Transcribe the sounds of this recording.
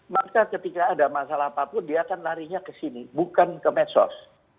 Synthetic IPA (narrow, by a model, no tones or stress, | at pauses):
makakət̪ikaːdamasalapapʊndiakanlaɾiɲakəsinibukankəmɛt̪sɔ̰s